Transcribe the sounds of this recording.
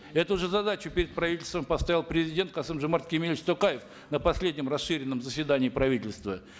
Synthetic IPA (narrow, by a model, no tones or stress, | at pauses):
ɛt̪ʊʐɨzɐd̪at͡ɕʊpʲɪɾʲɪt̪̚pɾɐvʲitʲɪlʲst̪vəmpɐst̪ajʲlˠpɾʲɪzʲɪdʲe̞nt̪̚qasɨmʐɨmart̪̚kʲɪmʲelʲɪt͡ɕt̪okajɪf | nəpɐsʲlʲedʲnʲɪmrɐsʂɨɾʲɪnːəmzəsʲvʲɪd̪anʲɪːpɾɐvʲitʲɪlʲst̪və